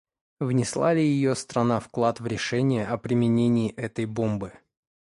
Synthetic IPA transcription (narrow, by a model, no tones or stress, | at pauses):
vnʲɪslˠa̰lʲɪjɪjost̪ɾɐnafklˠat̪vɾʲɪʂɛnʲɪjəʔɐpɾʲɪmʲɪnʲenʲɪːʔɛt̪əjbo̞mbɨ